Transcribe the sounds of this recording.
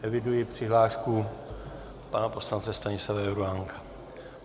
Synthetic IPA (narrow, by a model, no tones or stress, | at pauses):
ʔɛvɪdujɪpr̝̥ɪɦlaːʃku | panapo̞slant͡sɛst̪aɲɪslavajɾuaŋkḁ